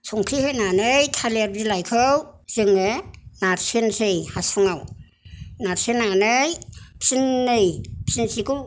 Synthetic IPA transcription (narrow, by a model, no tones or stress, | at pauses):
sʰɔŋkʰɾihɯjnanɯjtʰaleɾdilajkʰɯwz̥ɯŋenaɾsensejhasuŋaw | naɾsenanɯjpʰsinːɯjpʰsinsiku